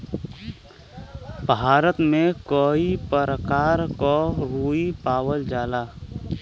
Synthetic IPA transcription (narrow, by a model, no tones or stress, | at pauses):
bʱaːɾət̪mẽkɔipəɾəkaːɾkɔɾuːipaːwəld͡ʒaːlaː